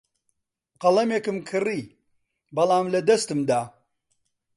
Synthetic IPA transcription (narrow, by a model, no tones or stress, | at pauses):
qɐlˠɐmeːkɨmkʰɨriː | bɐlˠaːmlɐd̪ɐst̪ɨmd̪aː